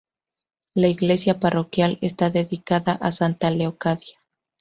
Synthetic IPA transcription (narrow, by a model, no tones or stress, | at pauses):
laiɣle̞sjaparo̞kjale̞st̪aðe̞ðikaðaʔasant̪aleokaðja